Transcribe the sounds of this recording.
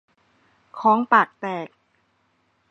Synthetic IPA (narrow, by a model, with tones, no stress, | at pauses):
kʰɔː˨˦ŋpaː˨˩k̚t̪ɛː˨˩k̚